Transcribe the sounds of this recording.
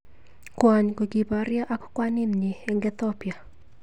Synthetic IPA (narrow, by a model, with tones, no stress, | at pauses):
kwa˨ɲko˨ɡi˨ba˨ɾja˦ʔa˦kɔ̥˦kwa˦nɪ˦nɲe˨ɛ˨ŋɡɛ˦t̪ɔ˦pja˨